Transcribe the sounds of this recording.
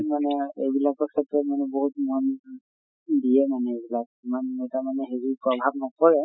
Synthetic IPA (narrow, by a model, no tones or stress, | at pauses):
manɛejbilakɔkʰɛtɹɔtmanɛboɦutmɔn | dijɛmanɛejbilak̚imanɛtamanɛɦeɹipɹɔbʱabnɔkɔɹɛ